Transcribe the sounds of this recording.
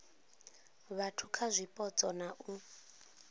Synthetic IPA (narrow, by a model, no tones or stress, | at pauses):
βatʰukʰazʷipʼɔt͡sʼɔnaʔu